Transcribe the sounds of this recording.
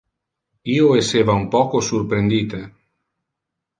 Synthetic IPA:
iːoeseːvaumpɔːkosurpɾend̪iːt̪e

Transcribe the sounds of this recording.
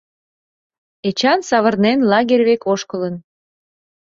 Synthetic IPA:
et͡ɕɑnsɑβərnenlɑɣerʲβekoʃkələn

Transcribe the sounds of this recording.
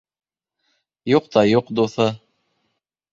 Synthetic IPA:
juqt̪ɑjuqd̪uθɤ

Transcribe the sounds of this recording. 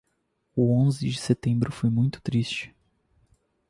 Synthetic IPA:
ʊõzɪd͡ʒɪset̪ẽmbɾʊfojmũj̃t̪ʊ̥t̪ɾist͡ʃɪ̥

